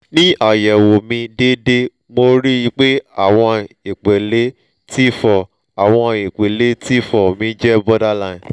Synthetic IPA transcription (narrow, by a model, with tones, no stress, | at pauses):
nĩ˦a˨jɛ˨wo˨mĩ˧de˦de˦ | mo˧ɾi˦i˧k͡pe˦a˦˨w̃ɔ̃˧i˨k͡pe˨le˨˦ | ti˦fɔ˨ | a˨w̃ɔ̃˧i˨k͡pe˨le˨˦ti˦fɔ˨mĩ˧˦d͡ʒɛ˦bɔ˦da˦lã˧˨